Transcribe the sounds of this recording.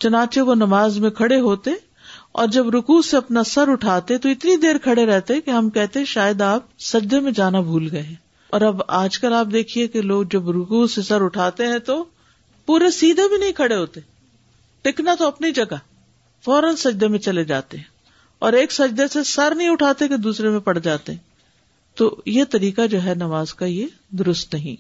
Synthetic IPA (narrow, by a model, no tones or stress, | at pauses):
t͡ʃʊnãːt͡ʃeʋonɐmaːzmẽkʰɐɽeɦoːt̪eɦɛ̃ | ɔ̰ːɾd͡ʒɐbɾʊkuːseɐpnasɐɾʊʈʰaːt̪eɦɛ̃t̪oɪt̪nid̪eːɾkʰɐɽeɾɛɦt̪eɦɛ̃keɦɐmkɛɦt̪ẽɦɛ̃ʃaːjəd̪aːp̚sɐd͡ʒd̪emẽd͡ʒaːnabʱuːlɡɐeɦɛ̃ː | ɔːɾɐbaːd͡ʒkɐlaːp̚d̪eːkʰiekeloːɡ̚d͡ʒɐbɾʊkuːsesɐɾʊʈʰaːt̪eɦɛ̃t̪o | puːɾesiːd̪ʱebʱinɐɦĩkʰɐɽeɦoːt̪e | ʈɪknat̪oɐpnid͡ʒɐɡa | fɔːɾənsɐd͡ʒd̪ʱemẽt͡ʃɐled͡ʒaːt̪eɦɛ̃ | ɔːɾeːksɐd͡ʒd̪esesɐɾnɐɦĩʊʈʰaːt̪eked̪uːsɾemẽpɐɽ̤d͡ʒaːt̪eɦɛ̃ | t̪oːjet̪ɐɾiːkad͡ʒoːɦɛnɐʋaːzkaje | d̪ʊɾʊst̪nɐɦḭ̃